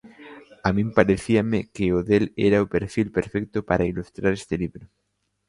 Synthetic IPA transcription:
amĩmpaɾeθiamɪkɪoðelɛ̰ɾaopeɾfilpeɾfɛk̚t̪ʊpaɾailust̪ɾaɾest̪ɪliβɾʊ

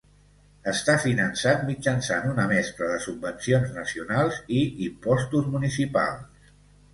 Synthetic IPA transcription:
əst̪afinənsat̪mid͡ʒənsanunəmɛst̪ɾəðəsub̚ːənsionznəsiunalˠziimpɔst̪uzmunisipa̰lˠs

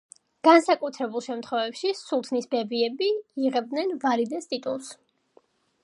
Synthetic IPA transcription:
ɡ̥ansakʼut̪ʰɾɛbulˠʃɛmt̪ʰχwɛvɛpʃisulˠt̪ʰnisbɛbiɛbiːʁɛbd̪nɛnvaɾid̪ɛst̪ʼit̪ʼṵlˠs

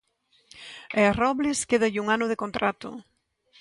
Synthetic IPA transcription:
erɔβlɪskeðaʎɪuŋanʊðɪkont̪ɾat̪ʊ̰

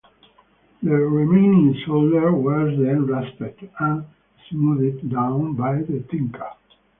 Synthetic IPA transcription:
ðəɹimẽnĩŋsoldəɹwɔzðɛ̃nɹɛspədæ̃n | smuðɪdːãʊ̃nbajðət̪ɪ̃ŋkʰə

